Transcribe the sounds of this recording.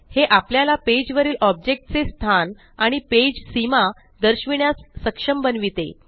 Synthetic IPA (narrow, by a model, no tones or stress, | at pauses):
heʔapljalaped͡ʑʋəɾiːlʔɔb̚d͡ʑek̚ʈ̚t͡sest̪ʰan | aɽ̃iped͡ʑsima | d̪əɾɕʋiɳjasːəkʂəmbənʋit̪ḛ